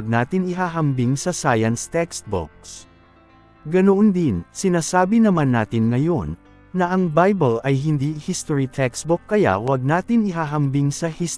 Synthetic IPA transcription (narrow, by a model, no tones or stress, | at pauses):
ɡ̚naːt̪ɪnɪɦaːɦɐmbiŋsɐsajɐnst̪ɛkst̪̚bo̰k̚s | ɡɐnoʔond̪ɪnsɪnaːsaːbɪnɐmanːa̰ːt̪ɪnŋɐjo̞nː | ɐʔɐŋbajbɐlɐjɦɪnd̪iːɪhist̪oɹit̪ʰɛkst̪̚bʊkːɐja̰wɐɡ̚naːt̪ɪnɪɦaːɦɐmbiŋsɐhis